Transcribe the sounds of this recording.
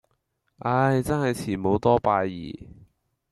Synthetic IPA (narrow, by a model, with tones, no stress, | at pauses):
ʔa˧˥jt͡sɐ˥nhɐ˨jt͡sʰiː˨˩mo˨˧wt̪ɔː˥paː˧jjḭː˨˩